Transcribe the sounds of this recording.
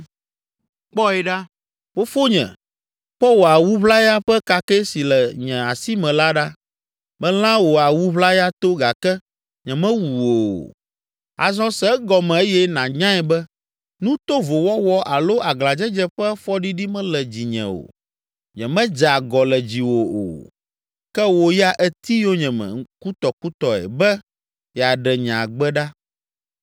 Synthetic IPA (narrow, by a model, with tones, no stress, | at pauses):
k͡pɔ˦ɛ˨ɖa˦ | o˦fo˦ɲɛ̰̃˨ | ɸɔ˦wo˨a˨wu˦βla˦ja˦ɸɛ˦ka˦kɛ˦si˨lɛ˨ɲɛ̃˨a˨si˦mɛ̃˨la˦ɖa˦ | mɛ̃˦l̃ã˦wo˨a˨wu˦βla˦ja˦t̪o˦ɡa˨kɛ˦ | ɲɛ̃˨mɛ̃˦wu˨wo̰˨ | a̰˨zɔ̃˦sɛ˦ɡɔ˨mɛ̃˨e˦jɛ˦nã˨ɲã˦ɛ˨bɛ˦ | nũ˦t̪o˦vo˨wɔ˦wɔ˦ʔa˨lo˦a˨ɡla˨d͡ʒɛ˦d͡ʒɛ˦ɸɛ˦fɔ˦ɖi˦ɖi˦mɛ̃˦lɛ˨d͡ʑi˨ɲɛ̰̃˨o̰˨ | ɲɛ̰̃˨mɛ̃˦d͡ʒa˨ɡɔ˨lɛ˨d͡ʑi˨wo˨o̰˨ | kɛ˦wo˨ja˦ʔɛ˦t̪i˦jo˦ɲɛ̃˨mɛ̰̃˨ku˦t̪ɔ˨ku˦t̪ɔ˨ɛ̰˨bɛ˦ | jɛ˨a˨ɖɛ˨ɲã˨ɡ͡bɛ˦ɖa˦